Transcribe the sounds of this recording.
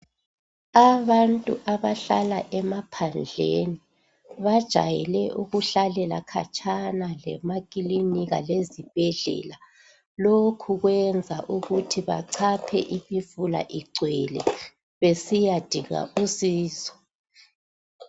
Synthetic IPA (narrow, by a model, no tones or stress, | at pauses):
aβantʼuʔaβaɬalaʔɛmapʰand͡ɮʱḛni | βad̥ʒ̥ʱa̰jɛlɛʔuɣuɬalɛla̰kʰa̰t͡ʃʼʰanalɛ̰makʼiliniɣa̰lezib̥ʱɛɮɛ̰la | lokʰuɣwɛnd͡zʱaʔuɣutʰiβa̰ǀʰapʰɛ̰ʔimifula̰ʔiɡ͡ǀʱwɛlɛ | βesijad̥ʱiɣa̰ʔusiːzɔ̥